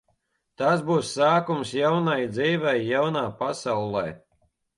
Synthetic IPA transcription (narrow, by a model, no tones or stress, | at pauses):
t̪asbuːsːaːkumsjawnajd̪ziːvɛjːawnaːpasawlˠɛj